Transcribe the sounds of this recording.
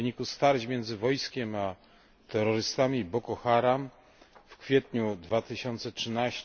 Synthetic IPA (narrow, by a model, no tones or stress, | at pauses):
ɲikust̪aɾd͡ʑmʲjɛnd̪zɘvɔjskʲɛma | t̪ɛɾɔɾɘst̪amʲibɔkɔxaɾam | fkfʲjɛt̪ɲud̪vat̪ɘɕɔnt̪sɛtʂɘnaɕ